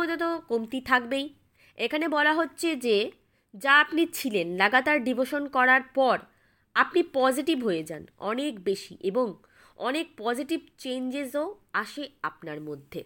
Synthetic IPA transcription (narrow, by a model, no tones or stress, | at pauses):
od͡ʑ̪ot̪̬okomt̪it̪ʰakbej | ekʰanebɔlaɦotːɕʰed͡ʑe | d͡ʑaapnit͡ɕʰilenlaɡat̪aɾɖiboʃonkɔɾaɾpɔɾ | apnipɔd͡ʑiʈibɦoed͡ʑa̰nɔ̰nekbeʃḭʔeboŋ | ɔ̰nek̚pɔd͡ʑiʈib̚t͡ɕend͡ʑezoaʃeapnaɾmod̪ʱːe